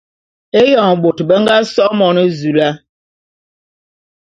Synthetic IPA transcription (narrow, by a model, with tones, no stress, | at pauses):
e˦jɔ˨ŋ˨ɓo˨tbə˦ŋ˦ɡa˦sɔ˦mɔ˨nə˦zu˨la˦